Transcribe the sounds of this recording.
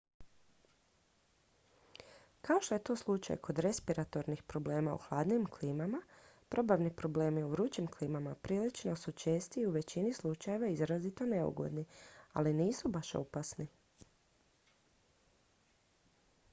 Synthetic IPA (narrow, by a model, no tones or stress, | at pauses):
kao̞ʃt̪o̞jet̪o̞ːslˠut͡ʃa̰jkʰo̞d̪ɾe̞spiɾat̪o̞ɾnixpɾo̞ble̞ːmaṵxlˠaːd̪nimkliːmamapɾo̞baʋnipɾo̞ble̞ːmiuʋɾut͡ʃimkliːmamapɾiːlit͡ʃno̞sut͡ʃe̞ːst̪iuʋe̞t͡ɕinislˠut͡ʃaje̞ʋaizɾazit̪o̞ne̞ṵɡo̰d̪nia̰liniːsubaʃo̰pasni